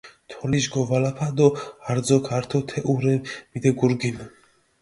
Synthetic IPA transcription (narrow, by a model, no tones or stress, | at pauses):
t̪ʰɔliʒɡɔvalapʰad̪ɔhaɾd͡zɔkʰaɾt̪ʰɔt̪ʰɛʔuɾɛnmid̪ɛɡuɾɡin